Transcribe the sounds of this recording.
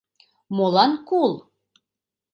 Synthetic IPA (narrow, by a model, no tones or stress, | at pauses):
molɑnkulˠ